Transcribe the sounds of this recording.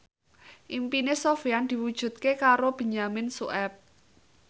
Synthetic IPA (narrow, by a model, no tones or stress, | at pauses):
ʔimpinesofiand̪̥i̤wud̥ʒ̥ṳt̪̚kekaɾob̥ə̤ɲamɪnsṵʔɛp̚